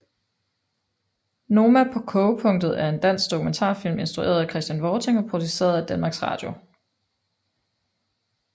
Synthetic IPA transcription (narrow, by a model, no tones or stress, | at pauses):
no̝ːmæpʰɒ̽kʰɔʊpʰɔ̽ŋ̰d̥ð̩ˠæɐe̝nd̥æn̰sɡ̥̚d̥okument͡sʰɑ̰̈ːfil̰me̝nsd̥ʁue̝̰ːɐðˠækʰʁɛsd̥jænʋɒːt͡sʰe̝ŋɒ̽pʰʁo̝d̥ise̝̰ːɐðˠæd̥ænmɑ̈ːɡ̥sʁɑ̰̈ːd̥jo̝